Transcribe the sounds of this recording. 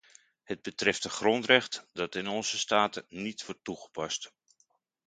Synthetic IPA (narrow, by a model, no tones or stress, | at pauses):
həd̚bətrɛftəχrɔntrɛχtdɑtɪnɔnzəstaːtənitʋɔrtːuχə̥pɑst